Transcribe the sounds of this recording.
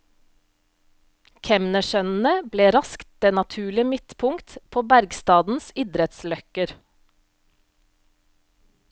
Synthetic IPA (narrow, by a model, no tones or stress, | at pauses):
kʰɛmnəʃœnn̩əbleːɾɑskt̪̚d̪̥eːnɑt̪ʰʉːɭɪəmɪt̪pʰʊŋkt̪pʰoːbæɾɡst̪ɑːd̪n̩sɪd̪ɾɛt̪slœkəɾ